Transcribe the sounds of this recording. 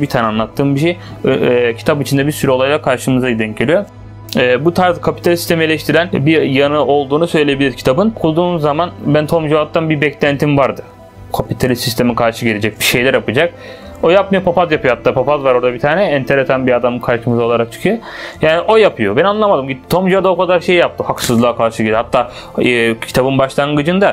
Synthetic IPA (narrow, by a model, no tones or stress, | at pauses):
bit̪ʰaːnɛanˠat̪ʰːɯːmbiʃej | cʰi̥t̪ʰapit͡ʃʰind̪ɛbiɾsyɾɛolˠajlˠakʰaɾʃɯmɯzajid̪ɛncʰelʲijo | ɛːbut̪ʰaɾzkʰapit̪ʰalʲisi̥st̪ʰemielʲɛʃt̪ʰiɾænbiɾjanɯo̞lˠd̪uːnusø̞jlʲejebilʲiɾcʰi̥t̪ʰabɯnkʰulˠd̪uːnzːamanbænt̪ʰomd͡ʒoat̪̚ːanbibɛclʲænt̪ʰimvaɾd̪ɯ | kʰapit̪ʰalʲist̪ːist̪ʰe̞mikʰaɾʃɯɟelʲed͡ʒɛc̚biʃe̞jlʲæɾjapɯd͡ʒak̚ | o̞jap̚majopʰapazjapɯjohat̪ʰːaːpʰapazvaɾo̞ɾd̪abit̪ʰaːnɛɛnt̪ʰeɾesanbiad̪amɯkʰaɾʃɯmɯzao̞lˠaɾak̚t͡ʃʰɯ̥kʰyjo | jaːniʔo̞japʰɯjobɛnanlˠamad̪ɯmɟit̪ːt̪ʰo̞md͡ʒuad̪aokʰad̪aɾʃejjap̚t̪ʰɯhaksɯzlˠaːkʰaɾʃɯɟed̪ʲihat̪ʰːaː | ɛːcʰi̥t̪ʰabɯnbaʃlˠanŋɡɯd͡ʒɯnd̪a